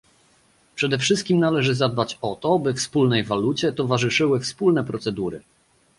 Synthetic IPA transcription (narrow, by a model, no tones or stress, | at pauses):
pʂɛd̪ɛfʂɘst̪kʲimnalɛʐɘzad̪̚bat͡ɕɔt̪ɔbɘfspulnɛjvalut͡ɕɛt̪ɔvaʐɘʂɘwɘfspulnɛpɾɔt̪sɛd̪uɾɘ̰